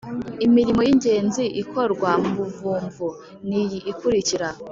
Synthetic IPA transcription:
imiɾimo̞jiɲɟe̞ːnziʔikʰo̞ɾɡwambuvuːmvu | nijiʔːkuɾiciɾa

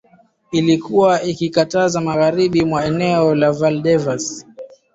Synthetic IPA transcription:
ilikuwaikikatazamaɣaɾiɓimwaɛnɛɔlavalɗɛvas

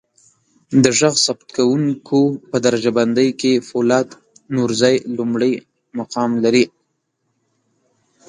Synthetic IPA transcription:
d̪əʒaɣsabt̪kawuŋkʰopəd̪aɾad͡ʒaband̪əjkefolɑd̪ | nuɾzɑjlumɽəj | maqɑmlaɾi

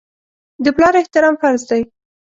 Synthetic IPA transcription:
d̪əplɑɾɪht̪ɪɾɑmfaɾzd̪aj

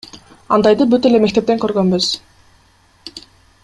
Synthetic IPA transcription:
ɑnd̪ɑjd̪ɯbyt̪e̞le̞me̞k̚t̪ep̚t̪eŋkø̞ɾɡønbyz̥

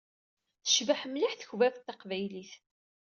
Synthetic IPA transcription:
θə̥ʃvəħmliħθəçvæft̪ːɑqvæjliθ

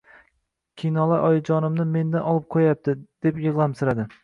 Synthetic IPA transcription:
kʲʰijnɒlˠaɾʔɒjɪd͡ʒɒnɪmnɪme̞nd̪anʔɒlˠɪp̚qʰojap̚t̪ʰɪd̪̥epjɨʁlˠamsɪɾad̪ɪ

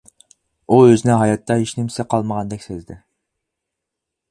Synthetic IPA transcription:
uøzɪnɪɦɑjɑt̪ʰːɑɦiʃnɪmsɪqʰɑlˠməʁɑnd̪ɛkʲsezd̪ɪ

